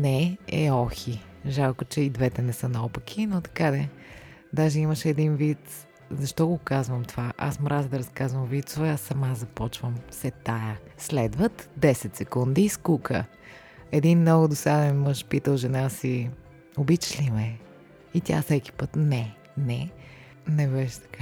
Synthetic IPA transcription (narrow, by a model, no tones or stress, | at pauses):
nɛɛɔxi | ʒalˠkot͡ʃɛid̪vɛt̪ɛnɛsɤnɐɔpək̟ʰinot̪ɐ̥kad̪ɛ | d̪aʒɛiməʃɛd̪invit̪ | zɐʃt̪ɔɡokazvəmt̪ovaʔa̰smɾazd̪ɐɾɐskazvəmvit̪sʊvɛasːɐmazɐpɔt͡ʃvəmsɛt̪ajəslɛd̪vət̪d̪ɛsɛt̪sɛkund̪iːskukʰə̰ | ɛd̪inmnɔɡʊd̪osad̪ɛnmɤʃpit̪əlˠʒɛnasi | obit͡ʃlimɛ | it̪ʲa̰fsɛki̥pət̪nɛ | nɛ | nɛbɛʃɛ̥t̪ɐ̥ka